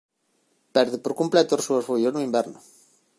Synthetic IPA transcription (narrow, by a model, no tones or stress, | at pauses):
pɛɾðepoɾkumplɛt̪orsuasfujoznuimbɛɾno